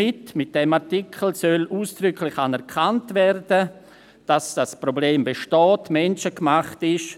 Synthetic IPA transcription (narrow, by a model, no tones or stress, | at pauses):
ɪtmɪt̚d̥ɛmaʁtikʰl̩sœlʔuːsd̥ɾʏkʰlɪçanɛɾkʰantvɛrdə | d̥asd̥aspɾobleːmbeʃtɔːtmɛnt͡ʃəkmaχtɪʃ